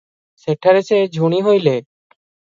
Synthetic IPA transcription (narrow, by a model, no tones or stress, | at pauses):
seʈʰːaɾesed͡ʑʱuɽ̃iɦojle